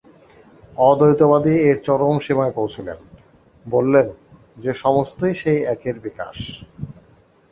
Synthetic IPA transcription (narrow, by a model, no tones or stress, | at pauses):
ɔd̪ojt̪oβad̪ieɾt͡ɕɔɾomʃimaepowt͡ɕʰilḛn | bolːen | d͡ʑeʃɔmost̪ojʃejɛkeɾbika̰ʃ